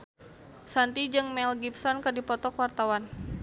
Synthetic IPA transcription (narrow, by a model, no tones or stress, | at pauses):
sant̪id͡ʒɨŋmɛlɡipsɔnkɨrdipɔt̪ɔkwart̪awan